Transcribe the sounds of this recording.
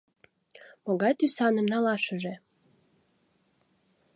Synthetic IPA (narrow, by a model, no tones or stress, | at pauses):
moɣɑjt̪ysɑnəmnɑlɑʃə̆ʒe